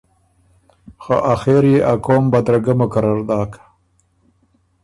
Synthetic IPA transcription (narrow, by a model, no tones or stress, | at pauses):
xo̰ʔaxeɾjeʔakoːmbad̪ɾaɡamʊkaɾɑɾd̪ɑːkḁ